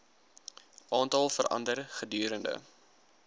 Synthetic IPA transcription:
ʔɑːntɑlˠfəɾɐ̰ndərχədyːɾəndə̰

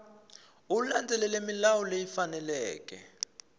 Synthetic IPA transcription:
uland͡zʱɛlɛlemilawulejifanɛlɛːk̬ʼɛ̰

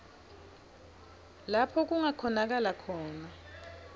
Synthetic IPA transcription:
lapʰɔk̬uŋakʰɔnak̬alakʰɔːna

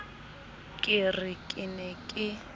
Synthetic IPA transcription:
kʼɪrɪkʼɪnɛkʼɪ

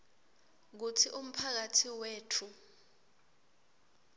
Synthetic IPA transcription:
k̬utʰiʔum̩pʰak̬atʰiweːtʰu

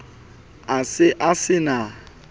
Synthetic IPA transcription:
asɪʔasɪna

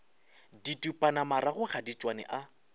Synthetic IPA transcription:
ditʼupʼanamaɾaɣʊχadit͡ʃʼwanɛ̰ʔa

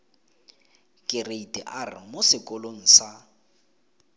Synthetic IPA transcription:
kʼɪreitʼɛ̰ʔarɪ̰mʊsɪkʼɔlon̩sa

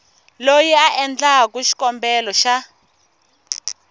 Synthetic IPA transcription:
lojɛaʔɛnd͡ɮak̬uʃi̥kɔmbɛlɔʃa

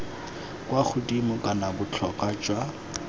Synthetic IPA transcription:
kʼwak͡xʰʊtʼimʊkʼanabʊt͡ɬʰɔkʼat͡ʃʼwa

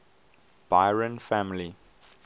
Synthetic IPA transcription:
b̥aɪɹə̃nfæmli

